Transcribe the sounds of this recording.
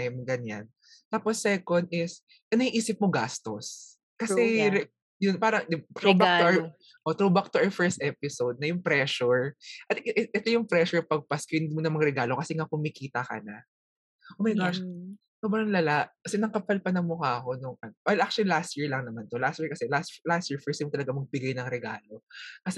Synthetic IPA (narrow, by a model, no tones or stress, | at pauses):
mɡɐɲa̰n | t̪aːposːɛkond̪ɪs | ʔɐnɐiʔiːsɪp̚moɡast̪os | kɐsɛɾ | jʊnpaːɾɐŋd̪ɪbt̪ɾoba | ʔot̪ɾobɐk̚t̪ʊʔɐɹfɛɹst̪ʔɛpɪsowd̪̚nɐjʊŋpɾɛʃʊɹʔɐt̪ʔɛʔɛt̪ojʊŋpɾɛʃʊɹpɐɡ̚pɐskɪnd̪mʊnɐmɐŋɾɛɡaːlokɐsɛŋakʊmɪkiːt̪ɐkɐ̰na | ʔoːmɐjɡaʃ | tobɐnɐŋlɐlaʔkɐsɛnɐŋkɐpɐlpɐnɐmokɐɐko̞nʊŋʔɐnwɛlʔakt͡ʃʊlilast̪jiɹlɐŋnɐmant̪olast̪jiɹkɐsɛlaslast̪jiɹfɛɹst̪jɐmt̪ɐlɐɡamɐɡ̚bɪɡajnɐŋɾɛɡa̰ːlo̞kɐsɛ